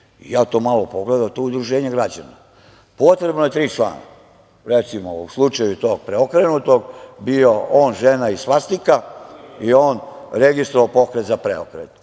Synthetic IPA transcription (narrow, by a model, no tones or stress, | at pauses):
ḭjaːt̪o̞ːmalopo̞ɡled̪at̪oud̪ɾuʒeːɲeɡɾad͡ʑa̰na | po̞t̪ɾe̞bnoje̞t̪ɾiːt͡ʃla̰ːna̰ | ɾet̪simo̰uslˠut͡ʃajut̪o̞ːɡ̚pɾeokɾenut̪o̞ɡbio̞oːnʒenaissʋast̪ikaioːnɾeɡist̪ɾoʋapo̞kɾet̪zapɾḛo̰kɾḛt̪